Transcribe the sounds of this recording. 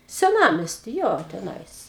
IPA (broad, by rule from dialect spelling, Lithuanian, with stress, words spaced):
sʲɛˈnɑːmʲɛsʲtʲiː ˈjoː tʲɛˈnɐɪs